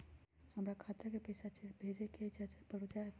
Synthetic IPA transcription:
həmɾakʰaːt̪ekepəjsat͡ʃibʱed͡ʒeked͡ʒat͡ʃpəɽud͡ʒaɦ

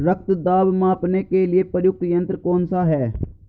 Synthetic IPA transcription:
ɾək̚ʰt̪d̪aːbmãːpneːkelɪeːpəɾjʊk̚t̪jə̃nt̪ɾkoːnsaɦɛː

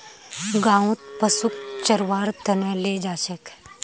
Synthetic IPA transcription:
ɡãːũt̪̚pɐsuk̚t͡ʃɐɾwaːɾt̪ɐnɛleːd͡ʒaːʃək

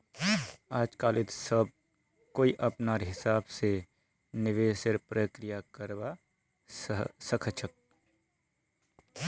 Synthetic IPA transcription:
aːd͡ʒkaːlɪt̪səb̚ | koːiʔɐpnaːɾɦɪsaːbse | nɪʋeːsɪɾpɾəkɾɪjakəɾba | səkʰət͡ʃʰək̚

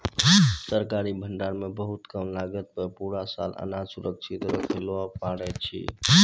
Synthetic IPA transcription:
səɾkaɾibʱəɳɖaɾmebəɦut̪kəmlaɡət̪̚pəɾpuɾasa̰lə̰nasuɾəksʰit̪ɾəkʰelapaɽɛt̪̚t͡ʃʰḭ

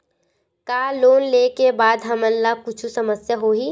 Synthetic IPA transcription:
kaːloːnleːkebaːd̪ɦɐmənlakʊt͡ʃʰusəməsjəɦoːɦiː

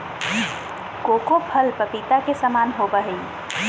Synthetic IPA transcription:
koːkopʰɐlpəpiːt̪akesɐmaːnɦoːbəɦəĩ

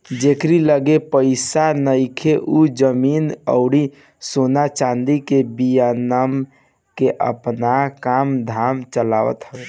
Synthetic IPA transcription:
d͡ʒekɾiləɡepəɪsanəjkʰeʔud͡ʒəminə̰ʊɽi | sonat͡ʃãnd̪ikebijanəm | keʔə̰pnakamd̪ʱamt͡ʃəlaʋə̰t̪ɦəe

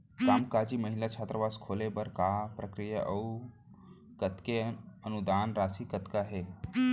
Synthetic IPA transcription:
kamkad͡ʑiːməɦilat͡ʃʰat̪ɾəʋaskʰolebəɾkapɾəkɾijəʔə | kət̪keənud̪anɾasikət̪kaɦe

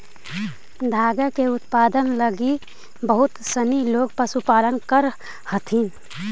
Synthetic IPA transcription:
d̪ʱaːɡəkeʊt̪paːd̪ənləɡi | bəɦʊt̪səniloːɡ̚pəsupaːlənkəɾ | hət̪ʰiːn

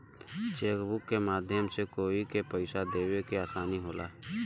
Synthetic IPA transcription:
t͡ʃeːkbʊkːemaːd̪ʱjəmsekoːikepəɪsad̪eːwekeaːsaːniɦoːla̰ː

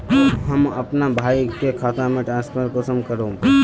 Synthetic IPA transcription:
ɦɐmɐpnabʱaːikekʰaːt̪amẽʈɾãːnspʰəɾʈkosəmkəɾoː

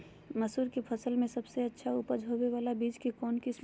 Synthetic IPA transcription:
məsuːɾkepʰəsəlmẽsɐbseɐtːʃʰaʊpəd͡ʒʱɦoːbeʋaːlabiːd͡ʒkekɔːnkɪs

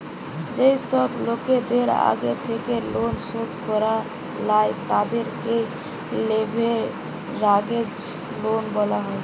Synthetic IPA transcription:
d͡ʒəisəbloked̪eɾa̰ɡet̪ʰekelonsot̪kɔɾa | lajt̪ad̪eɾke | lebʱe | ɾaɡed͡ʒ | lonbəlaɦəl

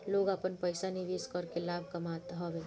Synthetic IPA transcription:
loːɡaːpənpəɪsaniʋiskɔɾkelaːbʱkɐmaːt̪ɦɔʋeː

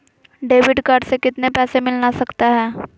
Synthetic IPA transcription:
ɖeːʋɪɖkaːɾɖsekɪt̪nepɛːsemɪlnasɐkt̪aɦɛː

